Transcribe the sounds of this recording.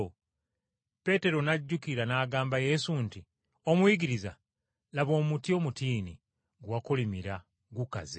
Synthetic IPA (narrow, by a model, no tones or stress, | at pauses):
pe̞te̞ɾo̞naɟːukiɾanaːɡaːmbaje̞sunti | o̞mwiɡiɾiza | laβo̞ːmutio̞ːmutiːni | ɡwakolimiɾa | ɡuka̰ze